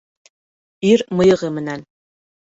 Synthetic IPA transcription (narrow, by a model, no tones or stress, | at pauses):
irmɤjɤ̆ʁɤmɘ̆næn